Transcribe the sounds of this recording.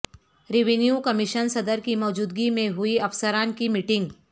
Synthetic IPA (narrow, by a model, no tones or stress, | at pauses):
ɾɪʋinijukɐmɪʃənsɐd̪əɾkimɔːd͡ʒuːd̪̚ɡimẽɦʊiɐfsəɾaːnkimiʈɪ̃ŋɡ